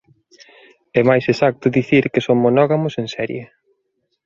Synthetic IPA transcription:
ɛmajsesak̚t̪ʊðiθiɾkesoŋmonɔɣamʊsensɛɾje

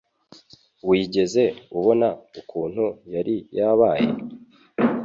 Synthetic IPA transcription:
wiːɟe̞ze̞uβo̞naukʰuːn̥hujaɾijaːβaːje̞̰

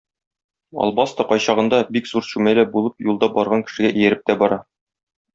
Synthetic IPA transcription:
ɒ̰lˠbɑst̪ɑqɒjɕɑʁɤ̆nd̪ɑbikzuɾɕʉmælæbulˠɤp̚julˠd̪ɑbɒɾʁɑŋkɘ̥̆ʃɘ̆ɡæʔĭjæ̆ɾɘp̚t̪æbɒɾɑ

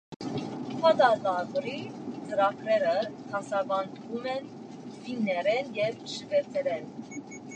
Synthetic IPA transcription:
hʰɑt̪ɑlɑɡəɾit͡səɾɑkʰɾɛɾət̪ʰɑsɑɡɑnd̪əvumɛn | vinːɛɾɛnjɛvʃəvɛt͡sʰɛɾɛn

